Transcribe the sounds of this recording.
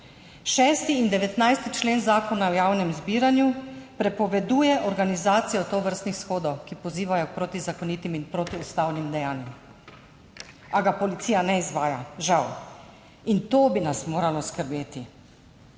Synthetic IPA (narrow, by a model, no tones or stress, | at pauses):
ʃɛst̪iːnd̪ɛʋɛt̪najst̪it͡ʃleːnzaːkɔnaɔjaːwnɛmzbiːɾanjupɾɛpɔʋɛd̪uːjɛʔɔɾɡanizaːt̪sijɔt̪oʋəɾst̪nixsxoːd̪ɔwkipɔziːʋajɔk̚pɾoːt̪izakɔnit̪iminpɾoːt̪iust̪awnimd̪ɛjaːnjɛm | aɡapɔlit̪sijanɛizʋaːjaʒaw | int̪oːbinasmoːɾalɔskəɾbeːt̪i